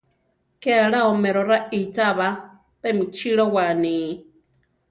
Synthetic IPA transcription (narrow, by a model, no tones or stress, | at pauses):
kɛaɺaɔmɛɾɔɾait͡sʼaβa | pɛmit͡ʃʰiɺɔwani